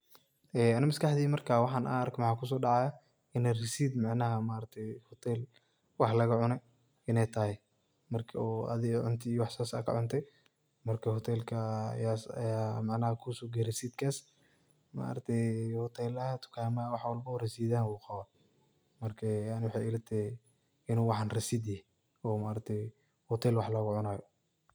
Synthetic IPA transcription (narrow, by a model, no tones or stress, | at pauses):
ɛːɐnɪmɐskʰɐħd̪iːmɐrkʰawɑħɑːnʔa̰ːrkʰmɑħaːkʰus̬ɔːɖɑʕɑja | ɪnɛrɪsiːd̪mɑʕnɐɦɐmaːɾɐt̪ʰɛjhɔt̪ʰɛːl | wɑħlɐɣɐʕʊnɛ | ʔɪnɛjt̪ʰɐhɛj | mɐrkʰɐɔːɐ̰ðɪɣʕʊnt̪ʰɪːjwɑħsaːsa̰ːkʰɐ̰ʕʊnt̪ʰɛ | mɐrkʰɐhɔt̪ʰɛːlkʰɐjaːsɐ̰jaːmɑʕnaːhɐkʰusɔːɡɛɾɪsiːd̪kʰaːs | ma̰ɾt̪ʰɛhɔt̪ʰɛːlɐhɐt̪ʰʊ̥kʰaːmɐwɑħwɑlbɐɔrɛsiːðaːnwuːqɑβaː | mɐrkʰɛjaʕnɪwɑħɑjɪlɐt̪ʰɛ | ɪnuːwɑħɑnrɐsiːd̪jɛh | ɔːmaɾɐt̪ʰɛj | hɔt̪ʰɛːlwɑħlɐɣʊʕʊnaːjɔ